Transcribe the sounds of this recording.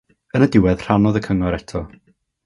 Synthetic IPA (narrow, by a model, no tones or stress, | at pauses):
ənədɪwɛð̥r̥anɔðəkʰəŋɔɾɛtʰɔ